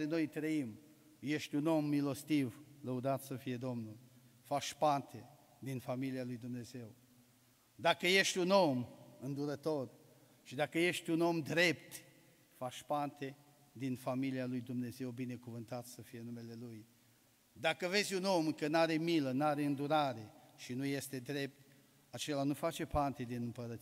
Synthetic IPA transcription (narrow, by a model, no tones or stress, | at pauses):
ɾeno̞jt̪ɾəim | je̞ʃt̪ʲuno̞milo̞st̪ivləud̪at̪səfije̞d̪o̞mnul | faʃpant̪ʰe̞ | d̪infamilialujd̪umne̞ze̞w | d̪akəje̞ʃt̪ʲuno̞mɨnd̪uɾət̪o̞r | ʃid̪akəje̞ʃt̪ʲuno̞md̪ɾe̞pt̪ | faʃpant̪e̞ | d̪infamilialujd̪umne̞ze̞wbine̞kuvɨnt̪at̪səfije̞nume̞le̞luj | d̪akəve̞zʲuno̞mkənaɾe̞milənaɾe̞ɨnd̪uɾaɾe̞ʃinuje̞st̪e̞d̪ɾe̞p̚t̪ | at͡ʃe̞lanufat͡ʃe̞pant̪e̞d̪inɨmpəɾət̪